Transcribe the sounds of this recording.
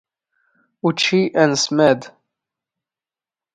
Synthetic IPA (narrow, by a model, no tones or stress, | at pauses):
ut͡ʃːiʔænəsmæd̪